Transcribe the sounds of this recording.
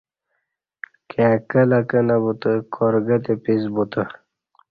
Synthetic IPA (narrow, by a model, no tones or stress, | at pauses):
kʰeakəlɐkənabut̪əkʰɔɾɡət̪epizbut̪ə